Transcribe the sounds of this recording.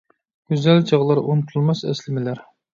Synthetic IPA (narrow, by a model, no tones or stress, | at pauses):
ɡ̥ʲyzæld͡ʒɑʁlˠɑɾʔont̪ʰulˠmɑsɛ̰slɪmɪlæɾ